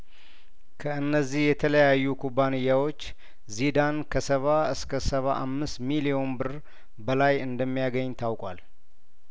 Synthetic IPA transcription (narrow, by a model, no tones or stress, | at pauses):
kʰəɨnːəzːihjɛt̪ʰələjajːukʰubːanɨjːawo̞t͡ʃː | zid̪ankʰəsəβaɨskʰəsəβaʔamːɨst̪milio̞nbɨr | bəlajɨnd̪əmːijaɡəɲːt̪ʰawkʼwal